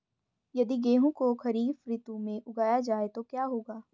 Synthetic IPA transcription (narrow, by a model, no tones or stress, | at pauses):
jɐd̪iɡeːɦũkokɐɾiːfɾɪt̪ũmẽʔʊɡaːjad͡ʒaːet̪okjaːɦoːɡaː